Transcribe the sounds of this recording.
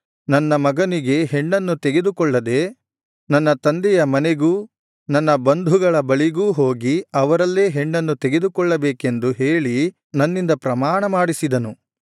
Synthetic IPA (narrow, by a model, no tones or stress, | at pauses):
nɐnːɐmɐɡɐniɡe̞ɦeɳːɐnːut̪eɡe̞d̪ukɔɭːɐd̪e̞ː | nɐnːɐt̪ɐnd̪ɛjɐmɐneɡuː | nɐnːɐbɐnd̪ʱuɡɐɭɐbɐɭiɡuːɦo̞ːɡiɐʋɐɾɐlːeːɦeɳːɐnːut̪eɡed̪ukɔɭːɐbɛːke̞nd̪uɦeːɭi | nɐnːind̪ɐpɾɐmaːɳɐmaːɽisid̪ɐnu